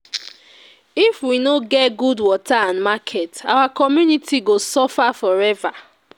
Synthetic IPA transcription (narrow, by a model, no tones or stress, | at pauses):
ifwinoɡɛtɡudwɔtaãnmakʰɛta̰wakɔmjunitiɡosɔfafɔɹɛva